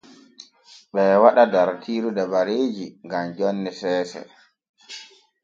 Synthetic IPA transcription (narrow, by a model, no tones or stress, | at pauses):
ɓɛwaɗadaɾtʰiːɾudabaɾeːd͡ʒiŋɡamd͡ʒɔnːɛsɛːsɛ̰